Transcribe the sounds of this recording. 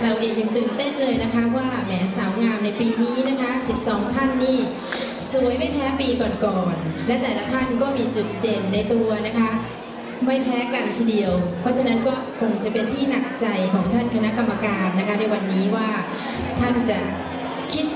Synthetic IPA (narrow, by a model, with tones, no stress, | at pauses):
ɾa˧wʔeː˨˧ŋt͡ɕɯ˧ŋt̪ɯː˨˩nt̪e˥˩nlɤː˧jna˦˥kʰa˦˥waː˥˩mɛː˩˦˥saː˩˦wŋaː˧mna˧jpiː˧niː˦˥na˦˥kʰa˦˥si˨˩p̚sɔː˩˦ŋt̪ʰa˥˩nːiː˥˩ | su˨˩˦əjma˥˩jpʰɛː˦˥piː˧kɔː˨˩nkɔː˨˩nlɛ˦˥t̪ɛː˨˩laː˦˥t̪ʰa˥˩nkɔː˥˩miː˧t͡ɕu˨˩t̪̚je˨˩nːa˧jt̪u˧ɐna˦˥kʰa˦˥ | ma˥˩jpʰɛː˦˥ka˧nt̪ʰiː˧di˧əwpʰɔ˦˥t͡ɕʰa˧na˦˥nkɔː˥˩kʰo˧ŋt͡ɕa˨˩pe˧nt̪ʰiː˥˩na˨˩k̚t͡ɕa˧jkʰɔː˩˦ŋt̪ʰa˥˩nkʰa˧na˦˥ʔka˧mːa˧kaː˧nːa˦˥kʰa˦˥na˧jwa˧nːiː˦˥waː˥˩ | t̪ʰa˥˩nt͡ɕa˨˩ | kʰi˦˥t̪̚